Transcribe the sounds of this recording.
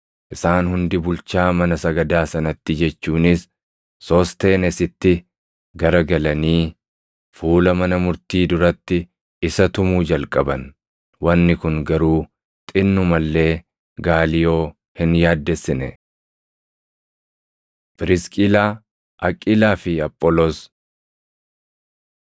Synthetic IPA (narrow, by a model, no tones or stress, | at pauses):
ʔɪsaːnhʊnd̪ɪbʊlt͡ʃaːmɐnɐsɐɡɐd̪aːsɐnɐt̪ːɪd͡ʒɛt͡ʃːuːnɪsː | ɔːst̪e̞ːnɛsɪt̪ːɪ | ɡɐɾɐɡɐlɐniː | fuːlɐmɐnɐmʊɾt̪iːd̪ʊɾɐt̪ːɪ | ʔɪsɐt̪ʊmuːd͡ʒɐlkʼɐbɐn | wɐnːɪkʊŋɡɐɾuː | t̪ʼɪnːʊmɐlːe̞ː | ɡaːlɪjo̞ː | hɪnjaːd̪ːɛsːɪnɛ | pɪɾɪskʼɪlaː | ʔɐkʼːɪlaːfɪɐpʼːɔlos